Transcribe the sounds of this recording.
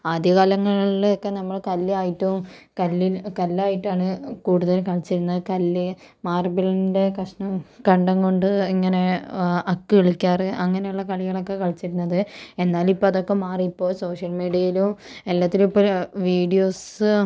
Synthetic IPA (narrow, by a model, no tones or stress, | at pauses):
aːd̪jɐkaːlɐŋːɐɭɭiokːe̞nɐmːɐɭkɐlːaːjiʈːukɐlːikɐlːaːjiʈːaːɳɨkuːɽuðɐlkɐɭit͡ɕːiɾunːɐðkɐlːɨ | maːrbilinde̞krɐʂɳɐmkɐɳɖɐŋko̞ɳɖɨiŋːɐne̞ɐkːɨeɭikʲːaːrɐŋːɐnejuɭːɐkɐɭiɣɐɭo̞kːe̞kɐɻit͡ɕːiɾunːɐðɨe̞nːaːlipːoːɐðo̞kːe̞maːriipːo̞ːso̞ːʂjɐlmiːɽijɐjilumelːaːt̪ːilipːoːlʋiːɖijo̞ːs